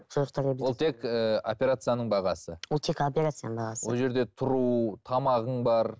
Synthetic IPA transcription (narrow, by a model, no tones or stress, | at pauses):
tʰʊɾəqt̪ɑɾebɪlolˠt̪ʰe̞kəopʲe̞ɾat̪sɨjanəɴbɑʁɑsəwolˠt̪ʰekopʲeɾat̪sɨjanəbɑʁɑswoəʒe̞ɾd̪e̞t̪ʰʊɾut̪ʰɑmɑʁəɴbɑɾ